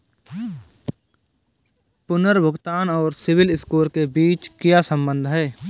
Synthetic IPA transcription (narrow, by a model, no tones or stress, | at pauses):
pʊnəɾbʱəɡt̪aːnɔːɾsɪwɪlɪskuːlkebiːt͡ʃkjasə̃mbə̃nd̪ʱɦɛː